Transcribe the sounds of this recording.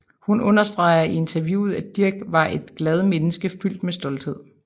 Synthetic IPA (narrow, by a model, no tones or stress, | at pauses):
hunɔ̽nɐsd̥ʁɑ̈ɪɐie̝nt͡sʰɐʋjṵːð̞̩ˠæd̥iɐɡ̥ʋɑ̈ʔe̝d̥ɡ̥lɛð̞ˠmenəsɡ̥əfyl̰d̥mesd̥ɒ̽ld̥he̝ð̰ˠ